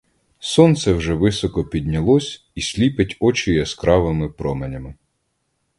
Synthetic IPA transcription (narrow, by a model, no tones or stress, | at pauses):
sɔnt̪sɛwʒɛʋɪsɔkɔpʲid̪ʲnʲɐlˠɔsʲ | isʲlʲipɪtʲɔt͡ʃɪjɐskɾɑʋɪmɪpɾɔmenʲɐmɪ